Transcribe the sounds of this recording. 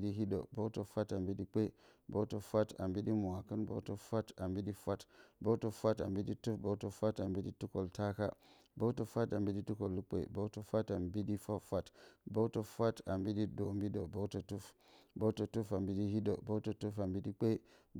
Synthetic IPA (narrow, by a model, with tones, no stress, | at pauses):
di˦ɦi˦do̰˨bo˦to˨fa˦ta˨mbi˦di˦k͡pe˦bo˦to˨fa˦ta̰˨mbi˦di˦mu˨a˨kə˦nbo̰˦to˦fa˦ta˨mbi˦di˦fa˦tbo˦to˦fa˦ta̰˨mbi˦di˦tu˦fbo˦to˦fa˦ta˨mbi˦di˦tu˦ko˨lta˦ka̰˦ | bo˦to˨fʷa˦ta˨mbi˦di˦tu˦ko˨lːu˦k͡pḛ˨bo˦to˦fa˦ta˨mbi˦di˦fa˦fa˦tbo˦to˦fa˦ta˨mbi˦di˦do˨mbi˦do˨bo˦to˨tu˦f | bo˦to˨tu˦fa˨mbi˦di˦hi˦do̰˨bo˦to˨tu˦fa˨mbi˦di˦k͡pe˦